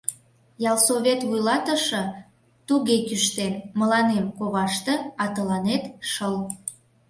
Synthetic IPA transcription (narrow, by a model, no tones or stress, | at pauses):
jɑlsoβʲet̪βujlɑt̪əʃə̆ | t̪uɣekyʃt̪enməlɑnemkoβɑʃt̪eɑt̪əlɑnet̪ʃəl